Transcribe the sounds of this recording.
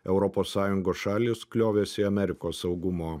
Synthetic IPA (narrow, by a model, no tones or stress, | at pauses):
ɛʊɾɔpoːsːɑːjʊŋɡoːsʃɑːlʲisklʲoːʋʲeːsʲɪɐmʲɛɾʲɪkoːsːɐʊɡʊmoː